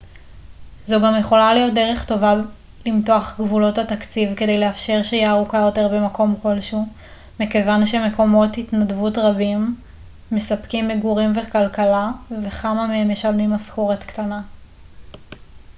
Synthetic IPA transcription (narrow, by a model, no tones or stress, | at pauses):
zoɡamjeχo̞lalijo̞t̚deʁe̞χto̞va | limtoaχɡvulo̞tatakt͡sivkede̞jleafʃe̞ʁʃejiaʁukajo̞te̞ʁbemako̞mko̞lʃu | mekevanʃe̞me̞ko̞mo̞titnadvutʁabimː | esapkimːeɡuʁimvekalkalave̞χamameemjeʃalnimaskoʁetktana